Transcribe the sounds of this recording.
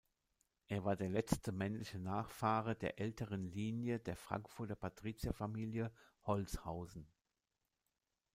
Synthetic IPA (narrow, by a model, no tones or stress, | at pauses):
ʔeːɐvaːɐdeːɐlɛt͡stəmɛnlɪçənaːχfaːʁ̞ɐdeːɐʔɛltʰəʁənliːnjədeːɐfʁ̥a̰ŋkfʊɐtɐpʰatʁ̥iːt͡sjafamiːljəhɔlt͡shaʊzn̩